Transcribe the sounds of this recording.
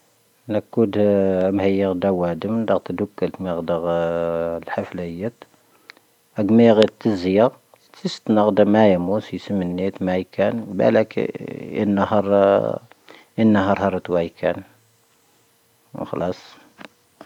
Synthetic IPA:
nəkːud̪mhəjːəɣd̪æwæd̪əmd̪ɑɣt̪d̪ukːəlt̪miɣd̪əɣ | lħaflæjæt̪ | æɡmiɣit̪ːəzjɑ | t̪ist̪nəɣd̪əmæjmusjsəmːənːit̪mæjkʰænbæ̰lækə̰nːɑhɑɾˤ | ənːɑɦɑɾˤhɑɾˤət̪wæjkʰæn | xɑlɑsˤ

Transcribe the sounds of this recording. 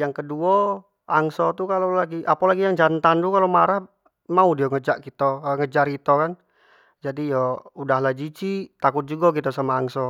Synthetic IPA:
jaŋkəduɔ | aŋsɔt̪ukalolaɡiʔapalaɡijaŋd͡ʒant̪and̪ukalomaɾah | maudiɔŋəd͡ʒaʔkit̪ɔŋəd͡ʒarkit̪ɔkan | d͡ʒadijɔudaɦlad͡ʒit͡ʃit̪akʊt̪̚d͡ʒuɡɔkit̪ɔsamaːŋsɔ

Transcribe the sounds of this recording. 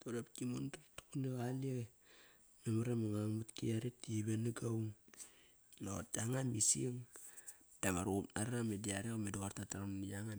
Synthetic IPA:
toɾapkimontatu̥kuneɣalia | memaɾamaŋaŋmutkiaɾetiβenaɡawŋ | notaŋamisiŋ | d̥amaɾopaɾamediaɾekomedoaɾtataɾanaŋa

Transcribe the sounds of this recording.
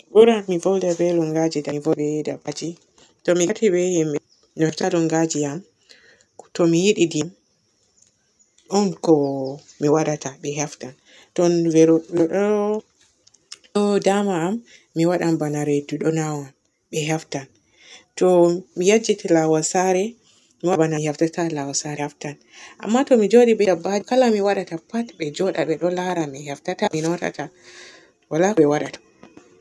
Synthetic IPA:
bɔɾamivɔldabɛlɔŋɡad͡ʒidavɔbɛɛdabad͡ʒi | tɔmiatibɛhimɛ | nɔftalɔŋɡad͡ʒiam | tɔmijiɗidim | ɔnkɔ | miwaɗatʰaɓɛɦɛftan | tɔnvɛɾɔlɔɗɔɾɔ | ɗɔdamaːmː | iwaɗambanaɾeduɗɔnawan | ɓɛɦaftan | tɔmijad͡ʒitilawasaɾɛ | miwabanahaftatalawasaɾɛaftan | ʔa̰mːatɔmid͡ʒoɗibɛabad͡ʒkalamiwaɗatapatbɛd͡ʒɔɗaɓɛɗɔlaɾamihɛftataminɔta̰ta | walaɓɛwaɗatḁ

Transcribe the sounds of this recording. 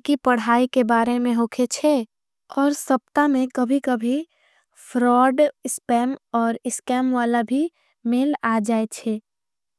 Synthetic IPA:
kipɐɽ̤aːikebaːɾemẽɦoːkʰet͡ʃʰe | ɔːɾsɐp̚t̪amẽkɐbʱikɐbʱi | fʰɾɔːɖɪspɛːmɔːɾɪskɛːmʋaːlabʱi | meːlaːd͡ʒaːet͡ʃʰeː

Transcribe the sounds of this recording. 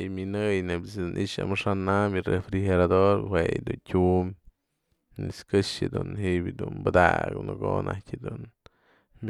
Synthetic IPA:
jminɨjnebisd̪unʔiʃa̰mɨʂanamjirefɾixeɾad̪oɾhwejd̪untʲum | nḭskɨʂed̪unɦiʔbʲid̪unbɨd̪a̰knɨɡonʔa̰kʲed̪un

